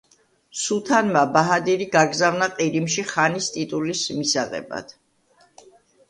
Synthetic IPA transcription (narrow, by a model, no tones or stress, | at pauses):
sut̪ʰanmabaɦad̪iɾiɡaɡzavnaqʼiɾimʃiχanist̪ʼit̪ʼulismisaʁɛ̰ba̰d̪̥